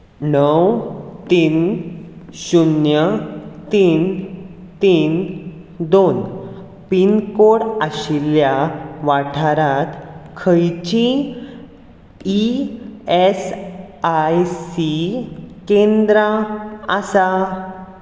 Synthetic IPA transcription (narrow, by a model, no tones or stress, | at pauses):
nəwt̪iːn | ɕunjət̪iːn | t̪iːn | d̪on | pinkoɽəɕiljaʋaʈʰaɾat̪kʰəjt͡ɕĩ | i | esajsikẽnd̪ɾaəsa